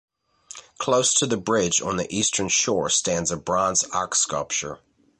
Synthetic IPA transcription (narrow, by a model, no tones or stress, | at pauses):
kʰl̥oʊstʰəðəbɹɪd͡ʒn̩ðḭʔistʰə̃˞nʃɔɹstæ̃ndzəbɹɑ̃nzɑ̰kskʌlˠp̚t͡ʃə̰˞